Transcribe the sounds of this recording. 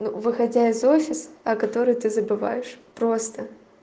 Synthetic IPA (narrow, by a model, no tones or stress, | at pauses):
nuvɨxɐdʲaɪzo̞fʲɪsɐkɐt̪o̞ɾɨjt̪ɨzəbɨva̰jɪʂpɾo̞st̪ə